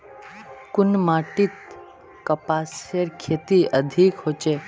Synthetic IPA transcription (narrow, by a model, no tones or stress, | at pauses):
kʊnmaʈit̪ | kɐpasəɾkʰet̪iʔəd̪ʱikhot͡ʃe